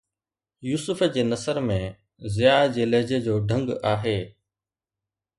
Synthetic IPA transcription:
juːsʊfd͡ʑeːnɐsəɾmẽ | zɪjaːd͡ʑeːləɦd͡ʑed͡ʑoːɖʱə̃ŋɡaːɦeː

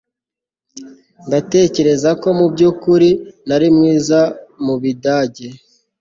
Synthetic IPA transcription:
ndate̞ːce̞ɾe̞zako̞mubɟuːkuɾinaɾimŋiːzamuβidaːɟe

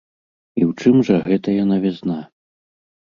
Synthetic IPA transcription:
iwt͡ʂɨmʐɐɣɛt̪ɐjanavʲɛzna

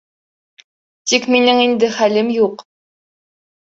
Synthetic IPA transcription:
t̪ikminɘŋind̪ɘχælɘmjuq

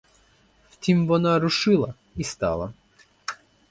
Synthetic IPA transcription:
ft̪ʲimvɔnaɾʊʂɪlˠɐ | ist̪ɑ̰lˠɐ̰

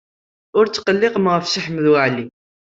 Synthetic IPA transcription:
ʊɾt͡sːqəlːɪqəməʁəfsəħməðwəʕli

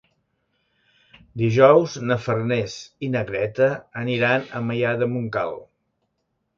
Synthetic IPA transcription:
d̪iʒɔwznəfərnezinəɣɾɛt̪əːniɾanəməjaðəmuŋka̰lˠ

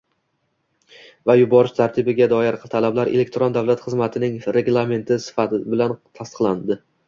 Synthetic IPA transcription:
vajʊbɒɾɪʃt̪ʰaɾt̪ʰɪbɪɡʲad̪ɒjɪɾt̪ʰalablaɾele̞k̚ʲt̪ʰɾond̪avlat̪χɨzmat̪ʰɪnɪŋɾe̞ɡlˠame̞nt̪ʰɪsɪ̥fat̪ɪbɪlant̪ʰast̪ɨ̥qlˠand̪ɪ

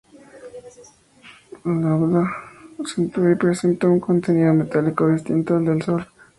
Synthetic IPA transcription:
lawðasent̪uipɾesent̪auŋkont̪eniðome̞t̪alikoðist̪int̪oeld̪elso̞l

